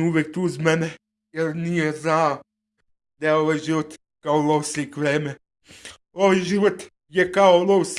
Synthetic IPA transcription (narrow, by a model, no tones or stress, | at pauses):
uːʋɛk̚t̪uːzmɛnɛ | jɛɾnijɛzna | d̪ajɛoʋajʒiʋɔt̪ | kaɔlɔwsikʋɾeːmɛ | oʋjʒiʋɔt̪ | jɛkaolɔws